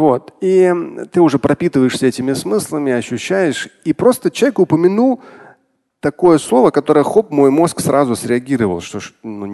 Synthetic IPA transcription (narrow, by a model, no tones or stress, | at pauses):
vo̞t̪it̪ɨʊʐɛpɾʔɐpʲit̪ɨvəjɪʂsʲəɛtʲɪmʲɪsmɨslˠəmʲɪɐɕːʉɕːæjɪʂipɾo̞st̪ət͡ɕʲɛkʊpəmʲɪnulˠ | t̪ɐko̞jəslˠo̞vəkɐt̪o̞ɾəjəxo̞pmo̞jmo̞sksɾʔazʊsɾʲɪɐɡʲiɾəvə̰lˠʂt̪oʂnu